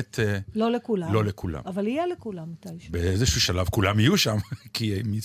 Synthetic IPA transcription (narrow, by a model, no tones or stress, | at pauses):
t̪ʰelolekulalo̞lekʰula̰mavalijelekulamːat̪ajbeezeʃuʃalavkulamijuʃamkʰimi